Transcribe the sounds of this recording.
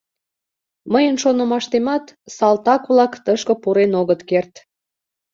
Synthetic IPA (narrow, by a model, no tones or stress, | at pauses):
məjənʃonə̆mɑʃt̪emɑt̪sɑlt̪ɑkβlɑkt̪əʃkə̆puɾenoɣət̪kert̪